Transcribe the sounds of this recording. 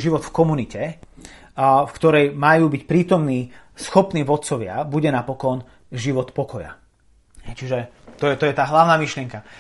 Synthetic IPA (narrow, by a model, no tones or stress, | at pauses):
ʒiʋɔt̪fkɔmunicɛ | fkt̪ɔɾɛjmajuːbicpɾiːt̪ɔmniːsxɔpniːʋɔt̪̚t͡sɔʋɪa̰buɟɛnapɔkɔn | ʒiʋɔt̪pɔkɔja̰ | ɦɛjt͡ʃiʒɛt̪ɔjɛt̪ɔjɛt̪aːɦlaʊnaːmiʃlɪɛŋka